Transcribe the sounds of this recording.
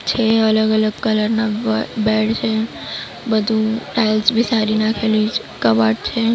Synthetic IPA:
t͡ʃʰeːɐləɡələɡ̚kɐləɾnabɛːɽt͡ʃʰe | bɐd̪ʱuʈaːɪlsbʱisaːɾinakʰeli | kɐbaːʈt͡ʃʰeː

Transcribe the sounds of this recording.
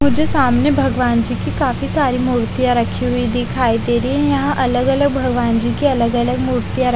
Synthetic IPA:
mʊd͡ʒʱesaːmnebʱɐɡʋaːnd͡ʒiːkikaːfisaːɾimuːɾt̪ijaɾɐkʰiɦʊid̪ɪkʰaːid̪eːɾiiɛ̃jɐɦãʔɐləɡɐləɡ̚bʱɐɡʋaːnd͡ʒiːkiɐləɡɐləɡ̚muːɾt̪ijaɾ

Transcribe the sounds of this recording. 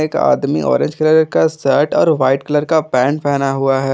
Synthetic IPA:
eːka̰ːd̪mḭʔɔ̰ːɾɪ̃ɲd͡ʒkələɾkasəːʈɔ̰ːɾʋaːɪʈkɐləɾkapɛ̃ːɳɖpɛɦnaɦuaɦɛː

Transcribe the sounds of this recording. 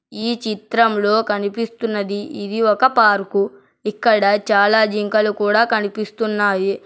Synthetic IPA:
iːt͡ʃit̪ɾɐmlo̞ːkɐnipist̪unːɐd̪iʔid̪iɔkɐpaːɾku | ikːɐɽɐt͡ʃaːlaːd͡ʒiŋkɐlukuːɽaːkɐnipist̪unːaːji

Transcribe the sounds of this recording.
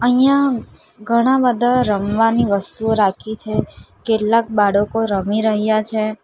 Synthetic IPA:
əɦijã | ɡʱəɽ̃abəd̪ʱaɾəmʋaniʋəst̪uoɾakʰit͡ʃʰekeʈlak̚baɽəkoɾəmiɾəɦjat͡ʃʰe

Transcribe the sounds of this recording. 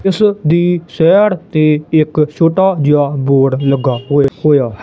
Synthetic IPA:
ɪsd̪iːsɛːɽt̪eːɪkt͡ʃoːʈaːd͡ʒaːboːɽləɡaːɦoːhoːjaː

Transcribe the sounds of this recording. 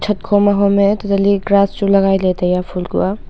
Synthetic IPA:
tʰɐt̚kʰomaɦometutɐliɡɾasd͡ʒulɐɡajlejtɐjapʰulɡṵa

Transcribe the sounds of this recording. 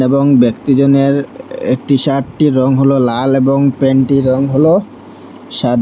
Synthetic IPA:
eboŋbekt̪id͡ʑoneɾḛk̚ʈiʃaʈʈiɾɔŋɦololaleboŋpenʈiɾɔŋɦolo | ʃad̪ʱ

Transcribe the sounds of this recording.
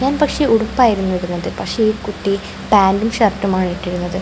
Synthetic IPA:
ɲaːnpɐkʂe̞ʔuɽupːaːjiɾunːuʋiɾunːɐðɨpɐkʂe̞iɾkuʈːi | b̥aːndumʂɐrtːumaːɳiʈːiɾunːɐðɨ

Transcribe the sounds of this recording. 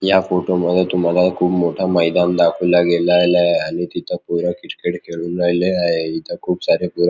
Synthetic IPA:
jafoʈoməd̪ʱːet̪um̤alakʰuːbmoʈʰaməjd̪and̪akʰuːlaɡelaːjlaeañit̪it̪ʰapuɾakiʈkeʈkʰeɭuːnajleaɦeit̪ʰakʰuːpsaɾepuɾa

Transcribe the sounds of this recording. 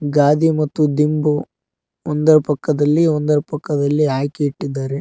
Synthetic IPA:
ɡaːd̪imɐt̪ːud̪imbu | ond̪ɐɾɐpɐkːɐd̪ɐlːiɔnd̪ɐɾɐpɐkːɐd̪ɐlːiɦaːkeiʈːid̪ːaːɾe

